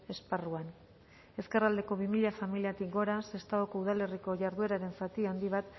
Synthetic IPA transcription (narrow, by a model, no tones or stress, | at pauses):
e̞sparuan | e̞ske̞rald̪e̞ko̞β̞imiʎafamiliat̪ikɡo̞ɾase̞st̪aɣoko̞uð̞ale̞riko̞ʝaɾðue̞ɾaɾe̞nsat̪iand̪iβ̞at̪